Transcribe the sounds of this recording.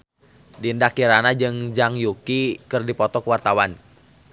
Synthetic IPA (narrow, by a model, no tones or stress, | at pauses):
dindakːiɾanad͡ʒɨŋd͡ʒaŋjukikɨrdipɔt̪ɔkəwart̪awan